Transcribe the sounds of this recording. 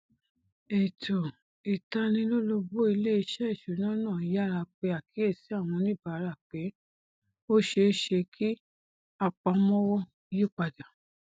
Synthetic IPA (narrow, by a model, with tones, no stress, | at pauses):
e˨tʰo˨ | i˨ta˧nĩ˧˦lo˦lo˧bo˦i˧le˦i˧ʃɛ˦i˦˨ʃu˨˦nã˦nã˦˨ja˦˨ɾa˧k͡pe˧a˨kʰi˨˦e˦˨si˨˦a˦˨w̃ɔ̃˧nĩ˦˨ba˨˦ɾa˦˨k͡pe˨˦ | o˦ʃe˧˦ʃe˧kʰi˦ | a˧k͡pa˧mɔ̃˦wɔ˦ | ju˦˨k͡pa˧da˨